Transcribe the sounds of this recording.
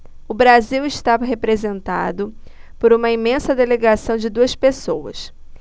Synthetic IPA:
ʊbɾaziwɪʃt̪avɐɦepɾezẽnt̪a̰d̪ʊpoɾũmɐimẽsɐd̪eleɡasɐ̃w̃d͡ʒɪd̪uɐspesowɐ̰s

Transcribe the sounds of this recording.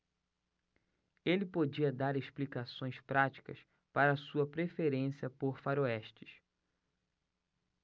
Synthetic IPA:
elɪpod͡ʒiɐd̪aɾeʃplikasõj̃spɾat͡ʃi̥kɐ̰s | paɾɐːsuɐpɾefeɾẽsiɐpoɾfaɾoɛʃt͡ʃɪ̥s

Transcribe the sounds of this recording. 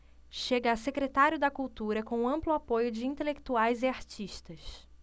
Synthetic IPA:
ʃeɡɐːsekɾet̪aɾjʊd̪ɐkuwt̪uɾɐkõw̃ɐ̃mplʊapojʊd͡ʒɪĩnt̪elekt̪uajzɪaɾt͡ʃiʃt̪ɐʃ

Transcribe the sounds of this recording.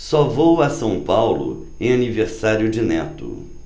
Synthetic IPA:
sɔvowɐsɐ̃w̃pawlʊ̰ | ẽj̃aniveɾsaɾjʊd͡ʒɪnɛt̪ʊ̰

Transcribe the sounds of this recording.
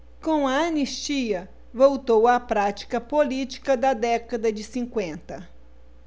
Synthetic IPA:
kõw̃ɐɐnist͡ʃiɐ | vowt̪owɐpɾat͡ʃi̥kɐpolit͡ʃi̥kɐd̪ɐd̪ɛkɐd̪ɐd͡ʒɪsĩŋkwẽnt̪ɐ

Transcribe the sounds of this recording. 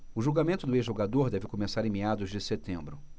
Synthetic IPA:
ʊʒuɡamẽnt̪ʊd̪ʊezʒoɡad̪oɾd̪ɛvɪkomesaɾẽmead̪ʊzd͡ʒɪset̪ẽmbɾʊ

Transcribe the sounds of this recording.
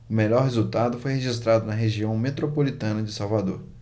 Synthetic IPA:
ʊmeʎɔɾɦezuwt̪ad̪ʊfojɦeʒist̪ɾad̪ʊnɐɦeʒiɐ̃w̃met̪ɾopolit̪ɐ̃nɐd͡ʒɪsawvad̪oɾ

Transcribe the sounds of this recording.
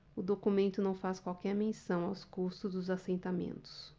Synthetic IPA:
ʊd̪okumẽnt̪ʊnɐ̃w̃faskwawkɛɾmẽsɐ̃w̃awskust̪ʊzd̪ʊzasẽnt̪amḛ̃nt̪ʊ̥s

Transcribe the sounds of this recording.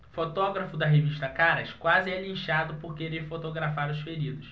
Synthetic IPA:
fot̪ɔɡɾɐfʊd̪ɐɦeviʃt̪ɐkaɾɐʃkwazɪɛlĩʃad̪ʊpʊɾkeɾeɾfot̪oɡɾafaɾʊsfeɾid̪ʊs

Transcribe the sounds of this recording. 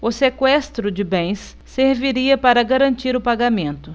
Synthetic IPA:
ʊsekwɛst̪ɾʊd͡ʒɪbẽj̃sː | eɾviɾiɐpaɾɐɡaɾɐ̃nt͡ʃiɾʊpaɡamẽnt̪ʊ

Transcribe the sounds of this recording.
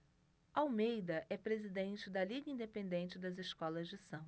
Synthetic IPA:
awmejd̪ɐʔɛpɾezid̪ẽnt͡ʃɪd̪ɐliɡɐĩnd̪epẽnd̪ẽnt͡ʃɪd̪ɐzɪskɔlɐzd͡ʒɪsɐ̃

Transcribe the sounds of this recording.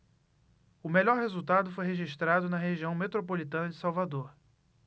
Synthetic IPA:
ʊmeʎɔɾhezuwt̪ad̪ʊfojɦeʒiʃt̪ɾad̪ʊnɐɦeʒiɐ̃w̃met̪ɾopolit̪ɐ̃nɐd͡ʒɪsawvad̪oɾ

